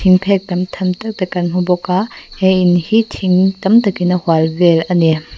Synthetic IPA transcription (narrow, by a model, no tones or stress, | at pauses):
iŋpʰɛk̚tɐmt̪ʰɐmt̪ɐk̚tɐkːɐnɦubɔkahɛjʔinhitʰiŋtɐmt̪ɐkinəhwalvɛlʔɐni